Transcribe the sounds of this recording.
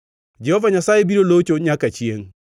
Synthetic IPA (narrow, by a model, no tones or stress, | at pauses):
d͡ʒɛhɔvaɲasaːjebiɾolot͡ʃoɲakat͡ʃieŋ